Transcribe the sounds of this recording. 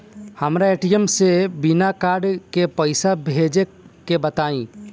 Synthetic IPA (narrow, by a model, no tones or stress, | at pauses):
həmɾaeːʈijəmsebɪnakaːɾɖkepəɪsabʱeːd͡ʒe | kebət̪aːĩː